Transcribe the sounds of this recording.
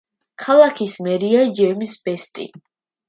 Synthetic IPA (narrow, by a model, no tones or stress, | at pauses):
kʰalˠakʰismɛɾiad͡ʒɛmisb̥ɛst̪ʼḭ